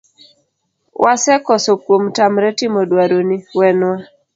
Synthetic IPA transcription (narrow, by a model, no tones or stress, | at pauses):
wʔasɛkɔsokwomtamɾɛtimɔdwaɾoniwɛnwa